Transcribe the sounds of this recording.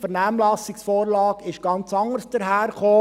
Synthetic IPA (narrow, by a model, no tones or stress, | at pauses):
fəɾnæːmlɑsɪksfoːɾlɑːkɪʃɡ̥ɑnt͡sɑŋəɾsd̥əɾɦæːɾχoː